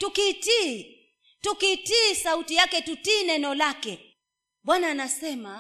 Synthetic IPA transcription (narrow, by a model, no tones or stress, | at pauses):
tukiti | tukitisautijakɛtutiːnɛnɔlakɛ | ɓwanaːnasɛma